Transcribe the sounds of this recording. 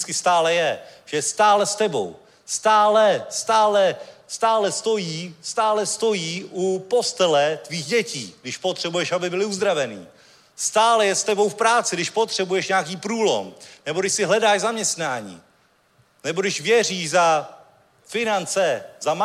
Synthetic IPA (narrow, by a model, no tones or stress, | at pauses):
t͡skɪst̪aːlɛjɛʒ̥ɛst̪aːlɛst̪ɛbo̞̰w | st̪aːlɛst̪aːlɛst̪aːlɛst̪o̞jiːst̪aːlɛst̪o̞jiːʔupo̞st̪ɛlɛt̪viːxɟɛciːɡdɪʃpot̪r̥ɛbujɛʃabɪbɪlɪuzd̪ɾavɛnḭː | st̪aːlɛjɛst̪ɛbo̞wfpɾaːt͡sɪɡdɪʃpo̞t̪r̥ɛbujɛʃɲɛakiːpɾuːlo̞̰mnɛboɾdɪʃsɪɦlɛdaːʃzamɲɛst̪naːɲḭː | nɛbodɪʃvjɛr̝iːʃza | fɪnant͡sɛzam